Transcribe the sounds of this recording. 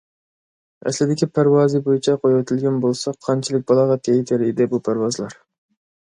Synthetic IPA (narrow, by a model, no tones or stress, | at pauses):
ɛ̰slɪd̪ɪkʲipʰæɾwɑːzɨbojit͡ʃʰɛqʰojwɛt̪ʰɪlɡʲɛnbolˠsɑqʰɑnt͡ʃʰilˠɪk̚ʲbɑlˠɑʁɑt̪ʰɛjt̪ʰɪɾid̪ɪbupʰæɾwɑzɨlˠɑɾ